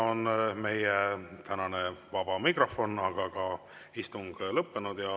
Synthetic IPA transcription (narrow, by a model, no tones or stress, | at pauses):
onme̞jet̪ænɑne̞vɑb̥ɑmikro̞fo̞nɑɡ̥ɑɡ̥ɑ | ist̪uŋɡ̥lɤpːe̞nud̪̥jɑ